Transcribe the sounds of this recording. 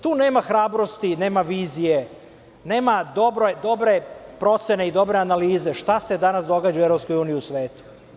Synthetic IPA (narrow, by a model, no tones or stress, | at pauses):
t̪uːne̞ːmaxɾaːbɾo̞st̪ine̞ːmaʋiːzije̞ | ne̞ːmad̪o̞bɾojd̪o̞bɾe̞pɾo̞t̪se̞ne̞id̪o̞bɾe̞analiːze̞ʃt̪ase̞d̪anasd̪o̞ɡad͡ʒaueɾopskojuːniiusʋe̞ːt̪u̥